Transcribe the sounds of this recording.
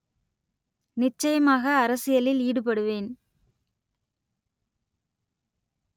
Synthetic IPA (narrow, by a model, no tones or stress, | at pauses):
nɪt͡ʃːɐjɐmaːɣɐːɾɐsɪjɐlɪliːɽɯpɐɽɯʋeːn